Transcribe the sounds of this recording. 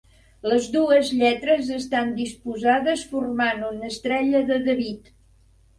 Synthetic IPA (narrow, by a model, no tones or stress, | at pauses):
ləzðuəzʎɛt̪ɾəzəst̪and̪ispuzaðəsfurmanunəst̪ɾɛʎəðəðəβit̪